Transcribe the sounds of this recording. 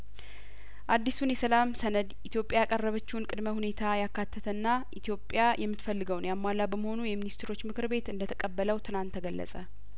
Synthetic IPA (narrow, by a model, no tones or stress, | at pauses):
ʔad̪ːisunjɛsəlamsənəd̪ʔit̪ʰjo̞pʼjajakʼərːəβət͡ʃːɪhunkʼɨd̪məhune̞t̪ʰajakːat̪ʰːət̪ʰənːaʔit̪ʰjo̞pʼjajʔɛmːɨt̪fəlːɨɡəwnjamːalːabəməho̞nujɛminist̪ʰɾo̞t͡ʃːmɨkʰɨɾbe̞t̪ɨnd̪ət̪ʰəkʼəbːələwt̪ʰɨlant̪ʰːəɡəlːə̰sʼə